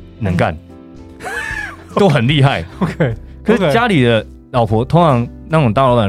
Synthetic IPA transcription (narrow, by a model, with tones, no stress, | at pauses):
nə˧˦ŋka̰˥˩n | t̪o˥ʊxə˨˩nli˥˧xa˥˩ɪkʰkʰə˨˩ʂʂ̩˥˩t͡ɕja˥li˨˩d̪ə˦ | lɑ˨˩ʊpʰwɔ˧˥t̪ʰʊ˧˥ŋʈ͡ʂʰɑ˧˥ŋna˥˩ŋʈ͡ʂo˨˩t̪a˥˩˨lo˥wa˨˩